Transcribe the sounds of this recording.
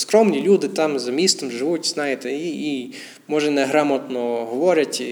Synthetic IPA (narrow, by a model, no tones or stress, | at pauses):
skɾɔmnʲilʲud̪ɪt̪ɑmzɐmʲist̪ɔmʒɪʋutʲznɑjɪt̪ɛii | mɔʒɛnɛɦɾɑmɔt̪nɔɦɔʋɔɾʲɐtʲ